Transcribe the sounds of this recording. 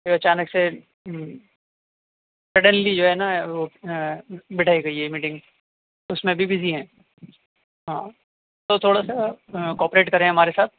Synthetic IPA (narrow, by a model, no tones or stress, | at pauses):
eɐt͡ʃaːnəkse | sɾɐɖənlid͡ʒoːɦɛnaʋo | bɪʈʰaːiɡɐiɦɛmiːʈɪ̃ŋɡ | ʊsmẽbʱibɪziɦɛ̃ː | ɦãː | t̪ot̪ʰoːɽasakɔːpɾeːʈkɐɾẽɦɐmaːɾesaːt̪̚ʰ